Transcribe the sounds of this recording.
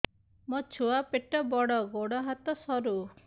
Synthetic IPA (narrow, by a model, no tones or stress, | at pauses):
mɔt͡ʃʰuapeʈɔbɔɽɔɡoɽɔɦat̪ɔsɔɾu